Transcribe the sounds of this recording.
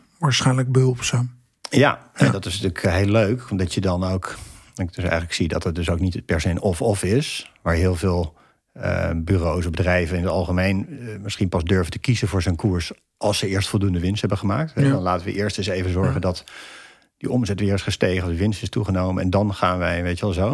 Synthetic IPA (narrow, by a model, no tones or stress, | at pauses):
ʋaːɹsχɛjnləɡ̚bəɦɵlˠpsaːm | ja̰ɛndɑtɪsnətyːləkʰɦeɪløɥkdɑtədɑnowkɑɪɡ̚d̥ɵsɛ̰jχələksidɑtətdɵs̬owknitəpɛɹsejənʔɔfɔfɪsʋaːɹɦɪːlˠvɪːlˠ | ə̰byːrows̬ɔbədrɛjvənɪnətɑlˠχəmejnmɪsχinpɑzdøɹvətəkizəvʊːɹzənkuːɹs | ʔɑlˠsəɪːɹstfɔlˠdundəʋɪnstɦɛbəχəmaːk̚tɦɛdɑnlaːtəʋə̰ʔɪːɹstənsejvənzɔɹχəndɑt | d̥əʔɔmzɛtʋɪːɹɪsχəstejχənɔfdəʋɪnstɪstuχənowməɛndɑnχaːnʋɛjʋejtəʋɛlˠzow